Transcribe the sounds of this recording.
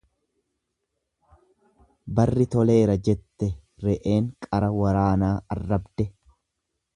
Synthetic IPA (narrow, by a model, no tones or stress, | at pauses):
bɐrːɪt̪ɔle̞ːɾɐd͡ʒɛt̪ːɛɾɛʔe̞ːŋkʼɐɾɐwɐɾaːnaːɐ̰rːɐbd̪ɛ